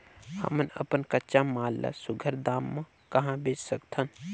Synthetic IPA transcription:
hə̰mənə̰pənkətːʃamaːlːa̰sʊɡʱəɾd̪aːmːã | kəɦãbet͡ʃsəkt̪ʰən

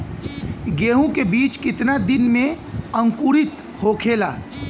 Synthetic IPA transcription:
ɡeːɦũkebiːt͡ʃkɪt̪nad̪ɪnmẽ | ə̃ŋkuɾɪt̪ | hoːkʰeːla̰ː

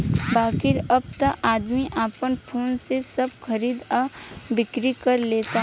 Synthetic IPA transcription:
baːkɪɾɐb̚t̪aʔaːd̪miʔaːpənpʰoːnsesɐb̚xɐɾiːd̪abɪkɾikɐɾleːt̪aɦ

